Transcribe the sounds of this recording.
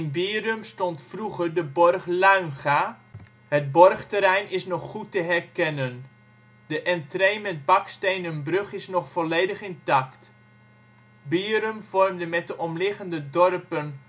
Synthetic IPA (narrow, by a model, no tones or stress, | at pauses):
ɪnbiːrɵmstɔntfruχərdəbɔrχlœɥnχa | həd̚bɔrχtəɾɛjnɪsnɔχːutəɦɛrkɛnən | dəʔɛntrejmɛt̚bɑkstejnənbrøχɪsnɔχfɔlejdəχɪntɑkt | biːəɾømvɔrmdəmɛt̚dəʔɔmlɪχəndədɔrpən